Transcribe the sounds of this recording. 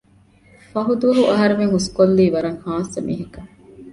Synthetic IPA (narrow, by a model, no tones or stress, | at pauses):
fɐɦud̪uʋɐɦuʔɐɦɐɾeʋeŋɦuskolːiːʋɐɾɐŋhaːsɐmḭːɦɐkɐ